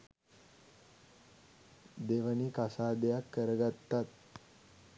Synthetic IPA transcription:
d̪eʋəniːkasad̪jakːəɾɡat̪ːat̪̚

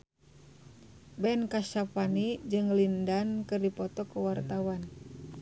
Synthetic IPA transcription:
bɛnkaʃapanid͡ʒɨŋlindankɨrdipɔt̪ɔkəwart̪awan

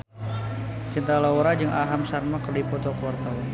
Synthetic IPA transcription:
t͡ʃint̪alawɾad͡ʒəŋʔaɦamsarmakərdipɔt̪ɔkəwart̪awan

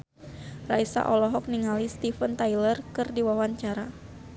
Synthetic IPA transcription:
ra̰isa̰ʔɔlɔɦɔk̚niŋalist̪ifənt̪ajlərkɨrdiwawaɲt͡ʃaɾa

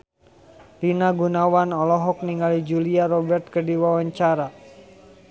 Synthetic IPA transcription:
linaɡunawanɔlɔɦɔk̚niŋalid͡ʒuliaɾɔbɛrt̪̚kərdiwawaɲt͡ʃaɾa

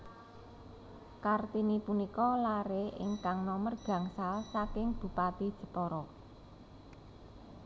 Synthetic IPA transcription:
kart̪inipunikɔlaɾeʔɪ̰ŋkaŋnɔmərɡ̥ä̤ŋsalsakɪŋb̥ṳpat̪id̥ʒ̥ə̤pɔɾɔ

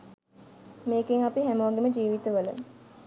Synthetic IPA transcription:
meːkeŋapiɦæmoʋɡeməd͡ʒiːʋit̪əʋələ̰

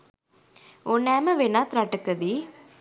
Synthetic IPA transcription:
onɛːməʋenat̪ɾaʈəkəd̪i

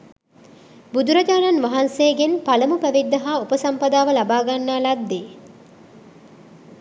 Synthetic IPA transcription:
bud̪uɾɐd͡ʒaːnanʋaɦanseːɡenpaləmupæʋid̪ːɐɦaːupəsampɐd̪aːʋəlabaːɡanːaːlad̪ːeː

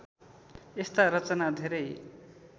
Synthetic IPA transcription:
est̪aɾʌt͡sʌnad̪ʱeɾʌj

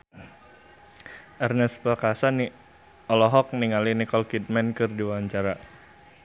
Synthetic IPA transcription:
ʔɛrnɛspəkasani | ɔlɔɦɔk̚niŋalinikɔlkit̪̚mɛnkɨrdiwawaɲt͡ʃaɾa

